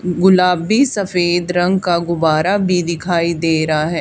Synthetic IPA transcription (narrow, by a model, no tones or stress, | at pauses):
ɡʊlaːbisɐfeːd̪ɾɐ̃ŋɡkaɡʊbaːɾabʱid̪ɪkʰaːid̪eːɾaɦɛː